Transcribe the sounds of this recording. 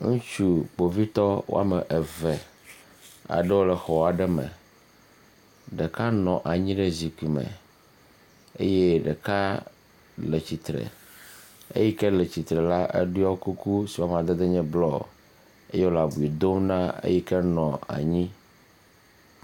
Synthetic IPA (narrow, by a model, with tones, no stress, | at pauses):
ŋũ˦t͡ʃu˦k͡po˨vi˦t̪ɔ˦wo̰˦a̰˦me˨ʔe˨vɛ˨ | a̰˨ɖɛ˦wo˦lɛ˨xɔ˨wa˨ɖɛ˦mɛ̰˨ | ɖe˨ka˦nɔ̃˨ʔa˨ɲĩ˦ɖe˦zi˨ku˨i˨mɛ̰̃˨ | ḛ˦je˦ɖe˨ka˦ | le˨t͡ɕi˨t̪ɾɛ̰˨ | ḛ˦ji˦kɛ˦le˨t͡ɕi˨t̪ɾɛ˨la˦ʔḛ˦ɖu˦a˦wku˦ku˦si˨wa˦m˨ã˨d̪e˦d̪e˦ɲɛ̃˦blɔ̰˦˨ | e˦je˦wo˦la˨bu˨i˨d̪o˦mnã˦ḛ˦ji˦kɛ˦nɔ̃˨a̰˨ɲĩ˦